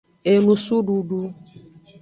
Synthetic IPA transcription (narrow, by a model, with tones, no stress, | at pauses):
e˨nũ˨su˦ɖu˨ɖu˦